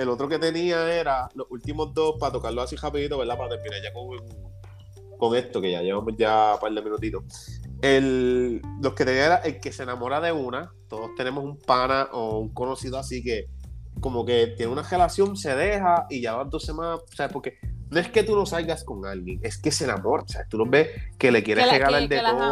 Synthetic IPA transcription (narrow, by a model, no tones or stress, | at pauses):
e̞lo̞t̪ɾo̞ke̞t̪e̞niae̞ɾalo̞sult̪imo̞zd̪o̞spat̪o̞kaɾlohasirapiðit̪oβe̞ɾd̪apaɾat̪emminaɾʝakoŋ | ko̞ŋe̞st̪o̞ke̞ʝa̰je̞βamo̞sʝapald̪emĩnut̪it̪o̞ | e̞lː | oket̪e̞niaeɾaʔe̞lke̞se̞namo̞ɾaðe̞una | t̪o̞ðo̞st̪e̞ne̞mo̞sumpanaʔo̞uŋko̞no̞siðoasike̞ko̞mo̞ke̞t̪jeneunare̞lasjo̞ŋse̞ðe̞haʔiʝaβad̪ose̞mãsaβepo̞ɾke̞noe̞ske̞t̪uno̞salɣasko̞ŋalɣjeŋe̞ske̞se̞namo̞ɾasa̰βet̪ulo̞βe̞hke̞le̞kje̞ɾereɣalaeld̪eo